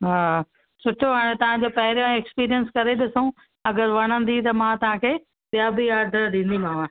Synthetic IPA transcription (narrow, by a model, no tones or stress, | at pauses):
ɦaː | sʊʈʰoɦaːɽ̃ẽt̪ɐʋ̤ãɲd͡ʑoːpɐɦɪɾjõɛkspiːɾijənskɐɾeɗɪsũ | ɐɡəɾʋɐɽ̃ə̃nd̪it̪ɐmãt̪ɐʋ̤ãkʰeː | pjaːbijaːd̪ʱɗĩːn̆d̪imãːʋã